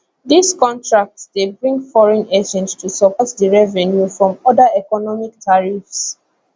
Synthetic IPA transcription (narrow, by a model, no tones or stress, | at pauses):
diskɔ̃ntʰɹak̚tsdebɹĩŋɡfɔɹɛ̃ned͡ʒɛ̃nstʰusɔpʰɔtdəɹɛvɛ̃njufɹɔ̃mɔdəɛkɔnɔmik̚tʰaɹifs